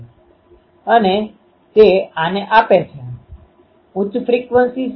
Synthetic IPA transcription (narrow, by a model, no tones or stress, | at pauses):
əne | t̪eaneʔapet͡ʃʰẽ | ũt͡ʃfɾikʋənsi